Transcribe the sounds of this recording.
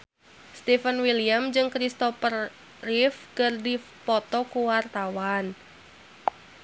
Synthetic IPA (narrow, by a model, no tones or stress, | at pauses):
st̪ifənwiliamd͡ʒɨŋkɾist̪ɔfərː | ifkɨrdi | pɔt̪ɔkuwart̪awan